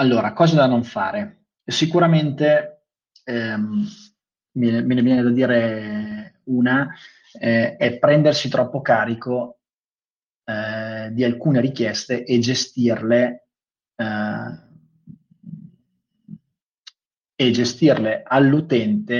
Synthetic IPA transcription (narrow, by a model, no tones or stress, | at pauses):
alːoːɾakɔːzad̪anoɱfa̰ːɾe | sikuɾament̪e | vɛnevjɛnevjɛːned̪ad̪iːɾe | uːna | ɛpːɾɛnd̪ersit̪ɾɔpːokaːɾiko | d̪ialkuːneɾikjɛst̪eʔed͡ʒest̪irle | ed͡ʒest̪irlealːut̪ɛnt̪e